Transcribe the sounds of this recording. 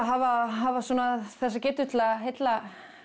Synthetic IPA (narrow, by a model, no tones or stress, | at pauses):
ɦavaɦavasɔːnaθɛsːacɛt̪ʏt̪laɦejt̪la